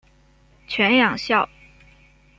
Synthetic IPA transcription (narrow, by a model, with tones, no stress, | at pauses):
t͡ɕʰɥɛ˧˥njɑ˨˩ŋɕjɑ˥˩ʊ